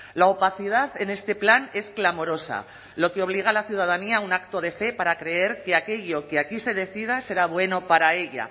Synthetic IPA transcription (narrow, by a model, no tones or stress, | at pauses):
laopaθið̞aðe̞ne̞st̪e̞plane̞sklamo̞ɾo̞sa̰ | lo̞keo̞β̞liɣ̞alaθjuð̞að̞aniaunak̚t̪o̞ðe̞fe̞paɾakɾe̞e̞ɾke̞ake̞ʎo̞ke̞akise̞ð̞e̞θið̞ase̞ɾaβ̞we̞no̞paɾae̞ʎa̰